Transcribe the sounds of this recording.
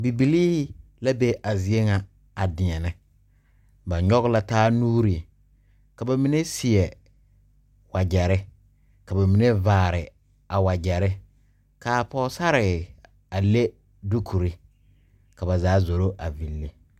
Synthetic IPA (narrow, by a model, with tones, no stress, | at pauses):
bi˨bi˨liː˦hɪ˦ | la˦be˦ʔa˨zɪ˨e˦ŋa˨ | a˨dɪ˨ɲɛ˨nɪ˦ | ba˨ɲɔ˦ɣla˦taː˦nuː˦ɾi˨ | ka˨ba˨mi˦ne˦sɪ˨ɛ˨ | wa˨d͡ʒɛ˨ɾɪ˦ | ka˨ba˨mi˨ne˦vaː˨ɾɪ˨ | a˨wa˨d͡ʒɛ˨ɾɪ˦ | kaː˨pɔ˦sa˦ɾɪ˨ | a˨le˦ | du˦kʰu˨ɾi˦ | ka˨ba˨zaː˨˦zo˨ɾo˦ʔa˨vi˨lːe˦